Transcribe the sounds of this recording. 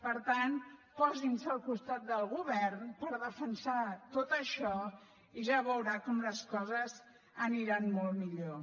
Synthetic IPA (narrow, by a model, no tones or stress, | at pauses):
pəɾt̪anpɔzinsəːlˠkust̪at̪̚d̪əlˠɣuβɛrnpəɾðəfənsat̪ot̪əʃɔ | iʒaβəwɾakɔmləskɔzəz | əniɾanmolˠmiʎo